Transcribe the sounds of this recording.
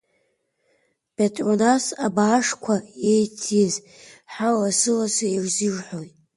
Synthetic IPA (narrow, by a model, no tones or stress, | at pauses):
b̥etʼronasabaːʂkʷʰaejtʰiz | ħawasɨlasairzɨʐħojt